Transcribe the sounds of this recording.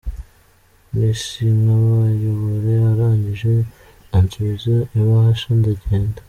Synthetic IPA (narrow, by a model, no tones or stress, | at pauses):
niʃinaβajoβoɾeaɾaːɲɟiʒe̞ | ant͡suzoiβahaʃandaɟeːndḁ